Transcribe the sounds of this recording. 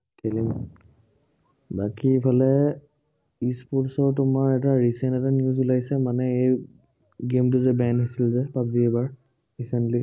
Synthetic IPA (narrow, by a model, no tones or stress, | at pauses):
kʰelim | bakipʰalɛ | ispɔtsɔɹtʊmaɹɛtaɹisɛntɛtaniuzulajsɛmanɛej | ɡemt̬ʊzɛbanɦosilzɛpap̚ziɛbaɹ | ɹisɛntli